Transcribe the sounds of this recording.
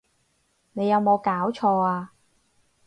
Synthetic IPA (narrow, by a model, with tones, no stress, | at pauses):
ne˨˧jɐ˨˧wmo˨˧wkaː˨˥wt͡ʃʰɔː˧aː˧